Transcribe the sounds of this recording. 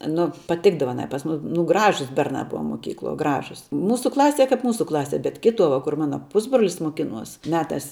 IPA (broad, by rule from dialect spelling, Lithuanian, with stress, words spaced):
ˈnʊ pɐˈtʲɪɡdɐʋɐ ɐˈnɐɪ pɐs ˈmʊs nʊ ˈɡrɑːʒʊs ˈbʲɛrnɑː ˈbʊʋɐ moːˈkʲiːklˠuɔ ˈɡrɑːʒʊs ˈmuːsʊ ˈklˠɑːsʲiɛ ˈkɐp ˈmuːsʊ ˈklˠɑːsʲiɛ bʲɛt ˈkʲɪtuɔ ʋɐ kʊr ˈmɑːnɐ ˈpʊzbroːlʲɪs moːˈkʲɪnuɔs mʲɛˈtɑːs